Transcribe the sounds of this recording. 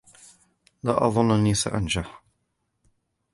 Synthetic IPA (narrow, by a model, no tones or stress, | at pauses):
laːʔɑðˤʊnːʔanːiːsa̰ʔand͡ʒaħ